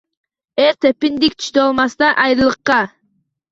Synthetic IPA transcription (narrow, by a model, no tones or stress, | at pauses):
eɾt̪ʰepind̪ik̚t̪ʰy̥ʃt̪øɑlˠmɑst̪ɑʔɑjɾɯlˠɯqːɑ